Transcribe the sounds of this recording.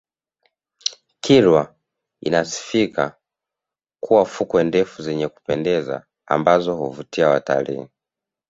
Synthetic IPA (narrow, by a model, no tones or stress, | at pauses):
kʰiɾwa | ḭnasi̥fikʰa | kuwafukwɛndɛfuzɛɲɛku̥pɛndɛza̰ː | mbazɔhuvutiawa̰ta̰lḭ